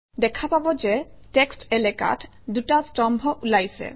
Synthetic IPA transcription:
d̪ɛkʰapabɔd͡ʑeʈeksʈeleka̰ʈ | d̪uʈasʈɔmbʱɔʔulajsḛ

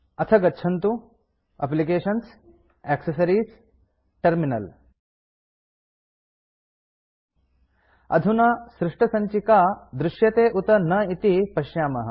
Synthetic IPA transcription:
ɐt̪ʰɐɡɐtːʃʰɐnt̪u | ɐ̰plikeːɕɐns | ɛksɐsɐɾiːs | ʈɐɾminɐl | ɐ̰d̪ʱunasɾɪʂʈɐsɐ̃ɲt͡ɕikaːd̪ɾuʂjɐt̪eːʔut̪ɐnɐit̪ipɐɕjaːmɐɦɐ

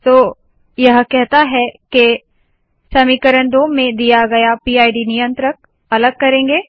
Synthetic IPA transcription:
t̪oː | jɐɦkɛɦt̪aɦɛke | sɐmikəɾəɳɖ̪õːmːẽd̪ijaɡɐjapiːaːiɖinijə̃nt̪ɾək̚ | ɐləɡ̚kɐɾẽːŋɡeː

